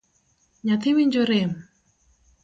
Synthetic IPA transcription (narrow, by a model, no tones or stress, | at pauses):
ɲat̪ʰewiɲd͡ʑoɾem